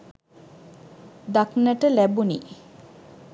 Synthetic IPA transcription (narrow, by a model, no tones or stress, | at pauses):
d̪aknəʈəlɛbunḭ